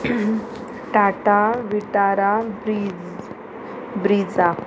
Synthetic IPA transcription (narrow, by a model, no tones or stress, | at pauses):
ʈaʈaʋiʈaɾabɾid͡z | bɾid͡za